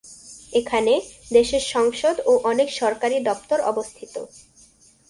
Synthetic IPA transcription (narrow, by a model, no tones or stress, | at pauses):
ekʰaned̪eʃeɾʃɔŋʃod̪oʔɔnekʃɔɾkaɾid̪ɔp̚t̪oɾɔ̰bost̪ʰit̪o̰